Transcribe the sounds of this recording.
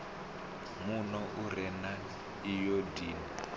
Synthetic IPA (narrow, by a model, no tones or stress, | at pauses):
munɔʔuɾɛna | ijodiːni